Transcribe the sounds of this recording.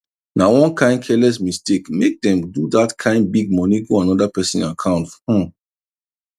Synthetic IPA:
nawɔ̃nkʰãɪ̃nd̚kʰɛlɛsmistekmek̚dɛ̃mdudatkʰãɪ̃nd̚biɡ̚mɔniɡoãnɔdapɛsɔ̃nakʰãʊ̃ntfhɔ̃

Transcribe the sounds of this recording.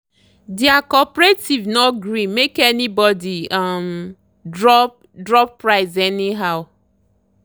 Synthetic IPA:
deakɔpɹetivnɔɡɾimekɛnibɔdiam | dɹɔp̚ | dɹɔppɹaɪzɛniɦaʊ

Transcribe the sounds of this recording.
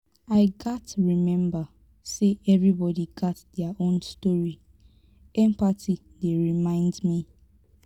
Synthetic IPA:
aɪɡatɹimɛ̃mba | seʔɛvɹibɔdiɡɔtdɛaʔõnstɔɹi | ɛ̃mpatʰi | deɹimãɪ̃ndmi

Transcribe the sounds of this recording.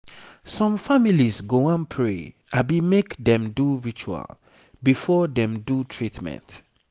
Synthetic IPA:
sɔ̃mfamilisɡoãnpʰɹe | abimekdɛ̃mduɹit͡ʃua̰l | bifɔdɛ̃mdutʰɹitmɛ̰̃nt

